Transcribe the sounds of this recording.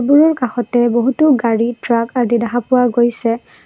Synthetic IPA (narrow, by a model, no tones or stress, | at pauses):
buɹɔɹkaxɔtɛboɦutuɡaɹitɹakadidaɦapʊwaɡojsɛ